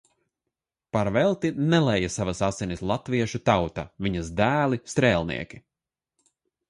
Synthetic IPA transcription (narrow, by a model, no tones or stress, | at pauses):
paɾvɛlˠt̪inɛlˠɛjɐsavasasɛnʲislˠat̪viɛʃut̪awt̪aviɲɐzd̪æːlˠist̪ɾɛːlˠnḭɛkʲi̥